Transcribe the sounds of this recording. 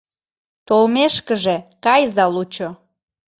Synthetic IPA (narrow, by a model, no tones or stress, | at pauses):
t̪olmeʃkəʒekɑjzɑlut͡ɕo